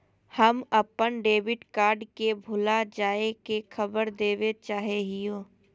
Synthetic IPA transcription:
həməpənɖeːʋɪʈkaːɾɖkebʱʊlad͡ʒaːekexʰəbəɾd̪eːʋet͡ʃaːɦeɦijoː

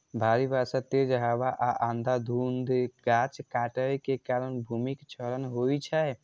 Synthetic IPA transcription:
bʱaɾibʱasat̪ed͡ʒəɦabaʔaʔãnd̪ʱad̪ʱund̪ɡat͡ʃkaʈəekekaɾənbʱumikt͡ʃʰəɾənɦoit͡ʃʰə

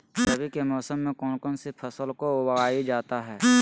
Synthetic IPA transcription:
səbʱikemɔːsəmːẽkɔːnkɔːnsipʰəsəlkowəɡaːid͡ʒaːt̪aɦɛː

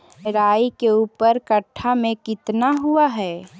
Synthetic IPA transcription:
ɾaːikeuːpəɾkəʈʰːamẽkɪt̪naɦuaɦɛː

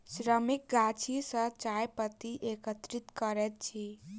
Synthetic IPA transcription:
sɾəmik̚ɡat͡ʃʰisə̃t͡ʃajpət̪iʔekət̪ɾit̪kəɾɛt̪̚t͡ʃʰi

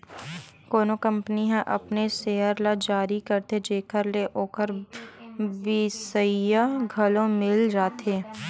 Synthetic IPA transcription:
koːnokɐ̃mpəniɦɛ̃ʔɐpneseːəɾlad͡ʒaːɾikɐɾt̪ed͡ʒeːkəɾleʔoːkəɾ | ʋɪsəjaɡʱɐlõmɪld͡ʒaːt̪ʰeː

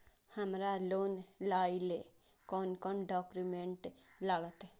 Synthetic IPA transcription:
həmɾaloːnlaːile | kɔːnkɔːnɖɔːkɾimẽɳʈlaːɡət̪ɛ

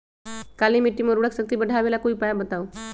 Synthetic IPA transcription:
kaliːmiʈiːməɾuɽəksək̚t̪iːbəɖʱaʋelakuiːpajabət̪au

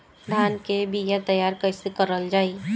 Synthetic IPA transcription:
d̪ʱaːnkebʱijat̪əjaːɾkəɪsekəɾəld͡ʒaːi

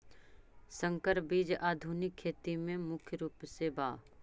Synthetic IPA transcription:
sə̃ŋkəɾbiːd͡ʒaːd̪ʱunɪkʰːeːt̪imẽmʊkʰjəɾuːpsebaː

